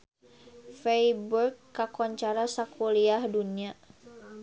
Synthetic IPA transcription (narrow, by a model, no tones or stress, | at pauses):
fɛjburkːakɔɲt͡ʃaɾasakʰuliahdunia